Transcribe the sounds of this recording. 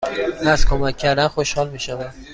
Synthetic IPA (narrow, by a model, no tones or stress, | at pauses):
næzkʰomæcʲʰːæɾd̪ænxoʃhɒlmiʃævæd̪̥